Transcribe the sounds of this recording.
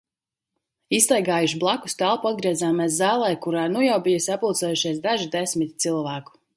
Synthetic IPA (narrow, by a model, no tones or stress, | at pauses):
ist̪ɛjɡaːjuʃiblˠaku̥st̪alˠpuad̪̚ɡɾiɛzaːmɛːs̬zaːlˠɛjkuɾaːnujawbijəsʲapult̪sɛjuʃiɛsd̪aʒid̪esmit̪t̪silˠvæːku̥